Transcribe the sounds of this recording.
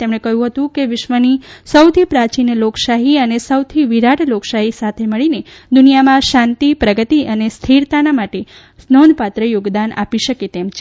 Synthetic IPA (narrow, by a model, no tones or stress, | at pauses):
t̪emɳ̃ekəjũɦət̪ũkeʋɪʃmənisəwt̪ʰipɾat͡ʃinloksaɦiənesəwt̪ʰiʋiɾaʈʰloksaɦisat̪ʰeməɭine | d̪unijamãʃãnt̪ipɾəɡət̪iənest̪ʰiɾt̪anamaʈe | snɔnpat̪ɾəjoɡd̪ana̰piʃəket̪emt͡ʃʰe